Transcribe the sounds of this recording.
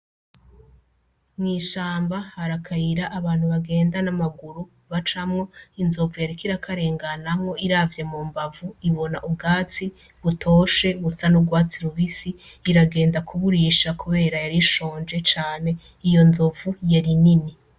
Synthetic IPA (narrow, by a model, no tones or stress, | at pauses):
mŋiːʃaːmbahaɾakʰajiɾaʔːβaːnhuβaɡe̞ːndanamaɡuɾu | βat͡ʃamŋo̞inzo̞vujaɾikiɾakʰaɾe̞ːŋɡanamŋo̞iɾavjemuːmbavuiβo̞naʔubɡaːt͡si | βutʰo̞ːʃe̞βusanuɡwaːt͡siɾuβisiːɾaɡe̞ːndakʰuβuɾiʃakuβe̞ːɾajaɾiʃo̞ːnd͡ʒe̞t͡ʃaːne̞ | ijo̞nzovujaɾinini